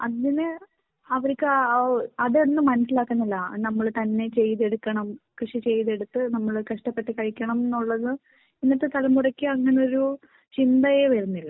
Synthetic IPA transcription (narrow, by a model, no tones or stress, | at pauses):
ɐðinɨ | ɐʋɐɾkʲːɨɐðenːɨmːɐnɐsilaːkːɐnːɐlːɐnɐmːɐɭt̪ɐnːe̞t͡ɕe̞jðe̞ɽukːɐɳɐmkrɨʂit͡ɕe̞jðe̞ɽut̪ːɨnɐmːɐɭkɐʂʈɐpːe̞ʈːikɐɻikʲːɐɳɐmenːuɭːɐðɨ | pinːɐt̪ːet̪ɐlɐmːurɐkʲːɨɐŋːɐneo̞ɾu | t͡ɕind̪ɐjeʋɐɾunːilːɐ